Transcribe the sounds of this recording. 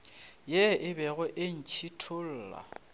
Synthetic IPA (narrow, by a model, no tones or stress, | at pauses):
jɛʔɪbɛɣʊʔen̩t͡ʃʰitʰʊl̩ːla̰